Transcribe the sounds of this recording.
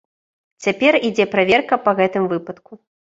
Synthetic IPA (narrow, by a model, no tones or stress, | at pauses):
t͡sʲapʲɛrid͡zʲɛpɾavʲɛrkɐpɐɣɛt̪ɨmvɨpɐt̪ku